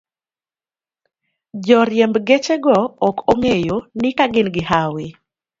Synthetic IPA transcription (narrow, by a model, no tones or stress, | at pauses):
d͡ʒɔɾjɛmbɡet͡ʃeɡɔɔkoŋejonɪkaɡɪnɡɪhawɪ